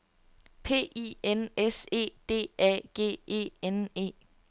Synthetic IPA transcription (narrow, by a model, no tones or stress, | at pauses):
pʰe̝̰ːḭenese̝̰ːd̥e̝̰ːʔɛ̰ːɡ̥e̝̰ːe̝̰ːene̝̰ː